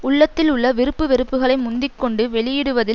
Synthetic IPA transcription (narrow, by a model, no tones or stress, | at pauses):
ʊɭːɐt̪ːɪlʊɭːɐʋɪɾɯpːɯʋɪɾɯpːɯɣɐɭɐɪmʊnd̪ɪkːɔɳɖɯʋɛɭɪjɪɽɯʋɐðɪ